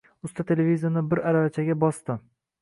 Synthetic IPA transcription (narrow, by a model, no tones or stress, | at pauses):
ʊst̪at̪ʰe̞levʲizʲanɪbɪɾaɾavat͡ʃʰaɡʲabɒst̪ɪ